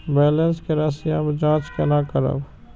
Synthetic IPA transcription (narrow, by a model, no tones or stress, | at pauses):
bɛːlə̃nskeɾasjãːbd͡ʒãːt͡ʃkenakəɾə̰b